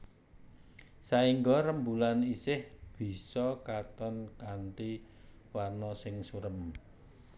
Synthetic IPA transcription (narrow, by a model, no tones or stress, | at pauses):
saiŋɡɔɾəmbulanisɪhb̥i̤sɔkat̪ɔnkant̪i | warnɔsɪŋsuɾəm